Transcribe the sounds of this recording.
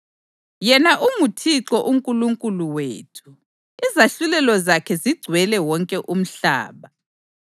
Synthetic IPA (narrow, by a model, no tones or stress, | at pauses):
jɛnaʔumutʰiǁɔʔuŋkʼuluŋkʼuluwḛːtʰu̥ | izaɬulɛlɔzakʰɛziɡ͡ǀʱwɛlɛwɔŋkʼɛʔum̩ɬa̰ːβa